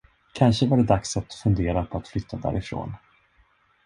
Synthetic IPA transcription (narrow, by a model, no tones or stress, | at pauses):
kʰanʂəvaɖɛd̪aksat̪fɵnd̪eːɾapʰɔat̪flʏt̪ʰːad̪æ̰ːɾɪfɾo̰ːn